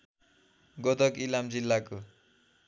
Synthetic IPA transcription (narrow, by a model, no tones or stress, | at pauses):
ɡod̪ʌkilamd͡zilːako